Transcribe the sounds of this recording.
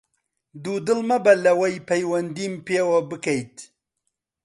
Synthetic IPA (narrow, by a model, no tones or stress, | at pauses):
d̪uːd̪ɨlmɐbɐlɐwɐjpʰɐjwɐnd̪iːmpeːwɐbɨkɐjt̪